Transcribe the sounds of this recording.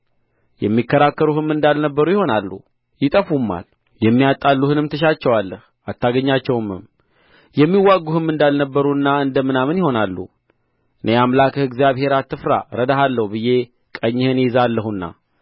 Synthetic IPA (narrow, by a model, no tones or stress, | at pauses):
jɛ̰mːikːəɾakːəɾuhɨmɨnd̪alnəbːəɾujɪho̞nalːṵ | jɪt̪ʼəfumːa̰l | jɛmːijat̪ʼːalːuhɨnɨmt̪ʰəʃ̬at͡ʃːɛwalːəh | at̪ʰːaɡəɲːat͡ʃːɛwɨmɨm | jɛmːiwːaɡuhɨmːɨnd̪alnəbːəɾunːaɨnd̪əmɨnamɨnjɪho̞nalːṵ | ʔɨne̞amlakʰɨɡzjaβhe̞ɾat̪ːɨfɾa̰ɾəd̪aɦalːəhubɨje̞ | kʼəɲːɪhɨnezalːəɦunːa̰